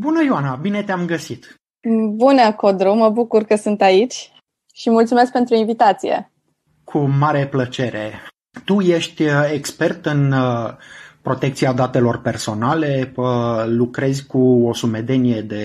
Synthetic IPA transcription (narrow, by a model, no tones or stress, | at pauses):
bunəjoanabine̞t̪eamɡəsit̪ | bunəkod̪ɾuməbukurkəsɨnt̪ait͡ʃʲ | ʃimult̪sumesk̚pe̞nt̪ɾuinvit̪at̪sijḛ | kʰumaɾe̞plət͡ʃe̞ɾe̞̰ | t̪uje̞ʃt̪ʲekspe̞rt̪ɨn | pɾo̞t̪e̞k̚t̪siad̪at̪e̞lo̞rpe̞rso̞nale̞əlukɾe̞zʲkuo̞sume̞d̪e̞nije̞d̪e̞